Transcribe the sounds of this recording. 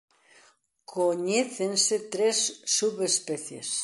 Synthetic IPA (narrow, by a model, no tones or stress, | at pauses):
kʰoɲeθenset̪ɾesːuβespeθjḛs